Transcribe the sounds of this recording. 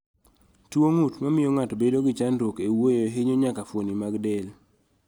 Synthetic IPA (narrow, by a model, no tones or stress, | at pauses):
twoŋutmamɪjoŋatbedoɡɪt͡ʃandwokewojoɦeɲoɲakafwonimaɡdɛl